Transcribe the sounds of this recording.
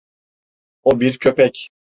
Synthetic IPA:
obiɾcʰøpɛc

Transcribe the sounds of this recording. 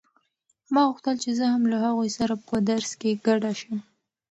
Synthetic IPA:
mɑɣuxt̪əlt͡ʃezəhamlahaɣojsaɾapəd̪aɾskeɡ̥aɖaʃəm

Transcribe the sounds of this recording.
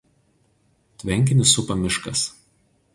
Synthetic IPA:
t̪ʲʋʲɛŋʲˑk̬ʲɪnʲɪsʊpɐmʲɪʃkɐs

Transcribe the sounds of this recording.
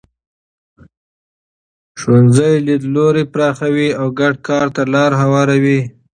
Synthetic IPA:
ʃwonzajlid̪loɾepɾɑxawiawɡaɖkɑɾt̪alɑɾɦawɑɾawi

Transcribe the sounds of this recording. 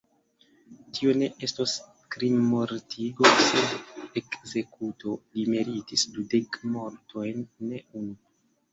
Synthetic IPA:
tio̞ne̞ʔe̞stos | kɾinmo̞ɾtʰiɡo̞sedekze̞kuto̞limeɾitisdude̞kmo̞ɾtʰo̞jnːe̞unu

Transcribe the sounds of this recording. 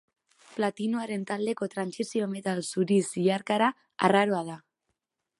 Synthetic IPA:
plat̪inuaɾe̞nt̪ald̪e̞ko̞t̪ɾansisio̞me̞t̪alsuɾisiaɾkaɾa | a̰raɾo̞að̞a

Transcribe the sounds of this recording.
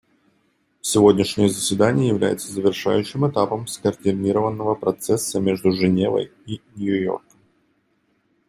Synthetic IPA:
fsʲɪvo̞dʲnʲɪʂnʲɪjəzəsʲvʲɪd̪anʲɪjəjɪvlʲæ̰jɪt̪səzəvʲɪrʂa̰jʉɕːɪmɨt̪apəmskərtʲɪnʲiɾəvənːəvəpɾɐt̪sɛsːəmʲe̞ʐd̪ʊʐɨnʲe̞və̰jinʲjʊjo̰rkəm

